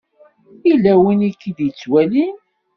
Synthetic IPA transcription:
ilːæwinikːiðjit͡sːwælin

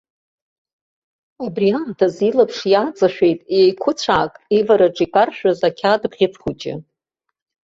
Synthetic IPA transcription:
abriantʰazilapʰʂjat͡sʼaʃᶣejtʼejkʷʰʊt͡sʷʰaːkʼivaɾaʈ͡ʂʼikʼarʃᶣazakʲʰadbʁʲɪt͡sʰʼχut͡ʃʼɪ̰

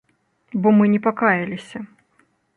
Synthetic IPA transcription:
bɔmɨnʲɛpakajɐlʲisʲɐ

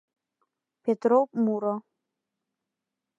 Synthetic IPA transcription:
pʰetʰʼropʼmuɾo

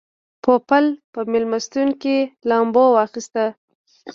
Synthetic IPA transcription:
pʰopalpəmɪlmast̪uŋkilɑmbowɑxist̪a

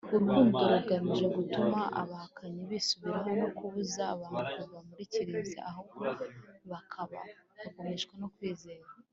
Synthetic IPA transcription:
uɾɡuːndeɾuɡaniʒe̞ɡutumaʔa̰βahakʰaɲiβisuβiɾaɦo̞nokuβuzaːβaːntʰuhuvamuɾiciɾiːnza̰ʔaɦokoβakʰaβa̰hako̞meʃkwenokwiːze̞ːɾa

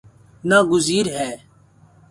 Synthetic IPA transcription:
naːɡʊziːɾɦɛː

